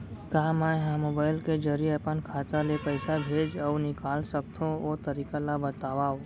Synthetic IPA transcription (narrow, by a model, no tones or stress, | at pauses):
kaɦamɛ̃ɦãmoːbaːɪlked͡ʒəɾijeɐpənkʰaːt̪alepəɪsabʱeːd͡ʒɔwnɪkaːlsək̚t̪ʰõoːt̪ɐɾiːkalabət̪aːʋaːo